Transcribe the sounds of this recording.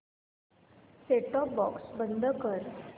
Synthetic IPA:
seʈɔp̚bɔksbənd̪ʱəkəɾ

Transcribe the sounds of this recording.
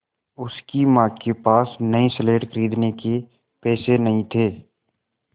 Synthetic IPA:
ʊskimãːkepaːsnəĩsəleːʈkəɾiːd̪neke | pɛːsenɐɦĩt̪ʰeː

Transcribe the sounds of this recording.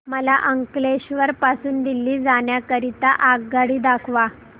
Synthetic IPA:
məlaʔəŋkleɕʋəɾpasuːnd̪ilːiːd͡zaɳjakəɾit̪aʔaɡɡaɽiːd̪akʰʋa

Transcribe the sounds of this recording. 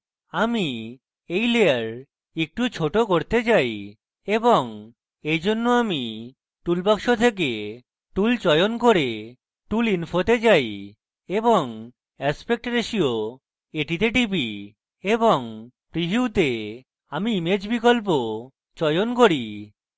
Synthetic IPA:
ami | ejleaɾ | ek̚ʈut͡ɕʰoʈokoɾt̪et͡ɕaj | eboŋ | ejd͡ʑonːoami | ʈulpakʃot̪ʰek̬e | ʈult͡ɕɔjonkoɾe | ʈulinfʰot̪et͡ɕaj | eboŋ | ɛspek̚ʈɾeʃio | eʈit̪̬eʈipi | eboŋ | pɾiɦuut̪e | amiimed͡ʑbikolp̬o | t͡ɕɔjonkoɾi

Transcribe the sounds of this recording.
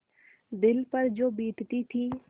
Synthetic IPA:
d̪ɪlpəɾd͡ʒoːbiːʈ̪t̪it̪ʰiː

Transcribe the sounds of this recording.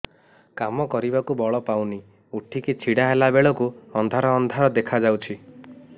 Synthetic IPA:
kamɔkɔɾibakubɔɭɔpawni | uʈʰikit͡ʃʰiɽaɦelabeɭɔkuɔnd̪ʱaɾɔːnd̪ʱaɾɔd̪ekʰad͡ʒawt͡ʃʰi

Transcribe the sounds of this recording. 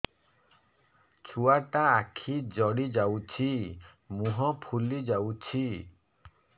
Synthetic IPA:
t͡ʃʰuaʈaːkʰid͡ʒɔɽid͡ʒawt͡ʃʰi | muɦɔpʰulid͡ʒawt͡ʃʰi

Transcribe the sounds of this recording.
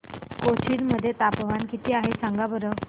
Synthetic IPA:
kot͡ɕʰiːɾməd̪ʱːjet̪apəʋankit̪iːaɦesãŋɡabəɾə

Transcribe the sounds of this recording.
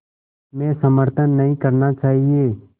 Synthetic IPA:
mɛ̃ːsəməɾt̪ʰənːəɦĩːkəɾnaːt͡ʃaːɦieː

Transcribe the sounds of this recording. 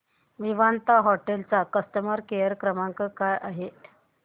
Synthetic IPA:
ʋiʋant̪aɦɔʈelt͡sakəst̪əməɾkejəɾkɾəmaŋkəkajʔaɦet̪

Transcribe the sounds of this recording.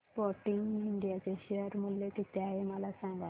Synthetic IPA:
spɔɾʈiŋɡiɳɖijat͡ɕeɕeəɾmuljek̪it̪jaɦeməlasãŋɡa

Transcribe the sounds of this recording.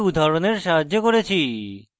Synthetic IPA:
ud̪ʱaɾoneɾʃaɦad͡ʑːokoɾet͡ɕʰi

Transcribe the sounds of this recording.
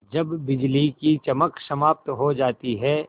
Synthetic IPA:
d͡ʒɐbːɪd͡ʒlikit͡ʃɐməksɐmaːp̚t̪ɦod͡ʒaːt̪iɦɛː

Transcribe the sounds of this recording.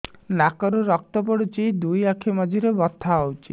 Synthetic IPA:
nakɔɾuɾɔk̚t̪ɔpɔɽut͡ʃid̪ujakʰimad͡ʒʱiɾebɔt̪ʰːaowt͡ʃʰi

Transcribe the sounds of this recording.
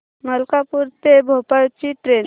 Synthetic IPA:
məlkapuɾt̪ebʱopajt͡ʃiʈɾen

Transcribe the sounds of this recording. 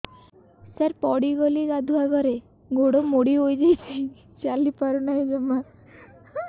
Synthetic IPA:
saɾpɔɽiɡɔliɾad̪ʱuaɡɔɾe | ɡoɽomoɽiɦojd͡ʒajt͡ʃʰi | t͡ʃalipaɾunaid͡ʒɔma

